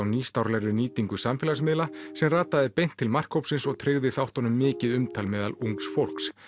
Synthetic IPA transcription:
awniːst̪awɾlɛɾʏniːt̪iŋkʏsamfɪːlas̬mɪðlasɛmraːt̪aðɪpejn̥t̪ʰːɪlmar̥kʰowpsɪnsɔɣt̪ʰɾeɣðɪθawht̪ɔnʏmːɪːcɪðʏmt̪ʰaːlmɛːðaluŋksfowl̥ks

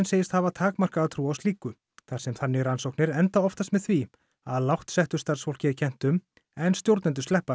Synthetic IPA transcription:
nseːjɪst̪havat̪ʰaːkmar̥kaːwt̪ʰɾuːawst̪iːkʏ | θḁsɛmθanːɪɾansowknɪɾɛnt̪aɔft̪ast̪mɛðθvi | aðlawht̪sɛht̪ʏst̪aɾ̥sfowl̥cɪacʰɛn̥t̪ʏm | ɛnst̪jowɾt̪nɛnt̪ʏst̪ɛhpa

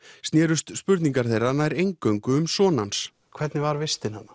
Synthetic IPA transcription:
st̪njɛːɾʏst̪spʏɾt̪niŋkaɾ̥θejranaɛɾejŋkœɥŋkʏʏmsɔːnans | kʰv̥ɛt̪nɪvaɾvɪst̪ɪnhanːa

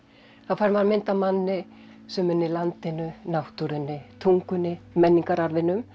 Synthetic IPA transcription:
θaðfaɾmaɾmɪnt̪amanːɪ | sɛmːɛnːɪlant̪ɪnʏnawht̪uɾɪnːɪt̪ʰuŋkʏnːɪmɛnːiŋkaɾaɾvɪnʏm

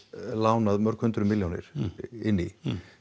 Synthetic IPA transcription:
laːwnaðmœɾ̥khʏnt̪ɾʏmɪljawnɪ̰ɾ̥ɪnːi

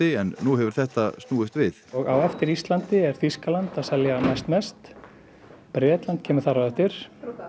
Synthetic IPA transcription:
ɪɛnːuɦɛvʏɾ̥θɛht̪astnuːðɪst̪vɪθɔɣawɛft̪ɪɾist̪lant̪ɪɛɾ̥θiskalant̪aðsɛljanɛjst̪mɛst̪ | pɾɛːt̪lant̪̚cʰɛːmʏ̥θaraɛft̪ɪɾ̥

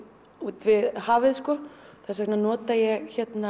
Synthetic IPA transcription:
ut̪vɪðhaːvɪðskɔθɛsɛknanɔːt̪ajɛɣçɛt̪na

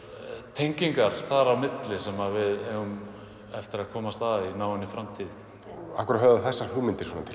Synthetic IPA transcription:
t̪ʰejɲciŋkaɾ̥θaɾawmɪt̪lɪsɛmaðvɪðɛɣʏm | ɛft̪ɪɾaðkʰɔːmast̪aðinaːwɪnːɪfɾamt̪ʰið | akʏɾat̪hœːðaθɛsːḁhumɪnt̪ɪɾ̥svɔːnat̪ʰɪl

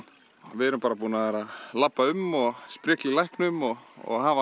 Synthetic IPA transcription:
vɪɛɾʏmpaːɾapuːnaðɛːɾaðlapːaʏmɔɣspɾɛːklɪlajhknʏmɔɣɔ̰ɣɦanva

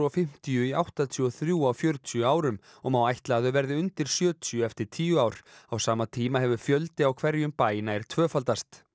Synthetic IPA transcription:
ɔfɪm̥t̪ijʏia̰wht̪at̪ʰiɔθɾjuːawfjœɾt̪ʰjʏaːwɾʏm | ɔɣmawajht̪laðʏvɛɾðɪʏnt̪ɪɾ̥sjœːt̪ʰʏʏɛft̪ɪɾ̥t̪ʰiːjʏaːwɾ̥awsaːmat̪ʰiːmaɦɛvʏɾ̥fjœlt̪ɪawkʰvɛɾjʏmpaːjɪnaɛɾ̥t̪ʰvœːfalt̪ast̪

